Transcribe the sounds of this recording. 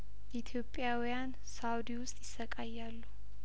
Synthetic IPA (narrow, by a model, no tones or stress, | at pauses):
it̪ʰjo̞pʼːjawijan | sawd̪iwʊst̪ʼjɪsːəkʼajːalːu